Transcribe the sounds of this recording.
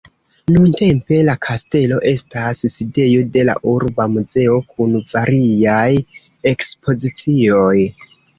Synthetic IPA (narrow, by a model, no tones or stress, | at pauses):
nunte̞mpe̞lakʰaste̞lo̞ʔe̞stasside̞jo̞de̞la̰ʔuɾbamuze̞o̞kʰunvaɾiaj | e̞kspo̞zit͡sio̞j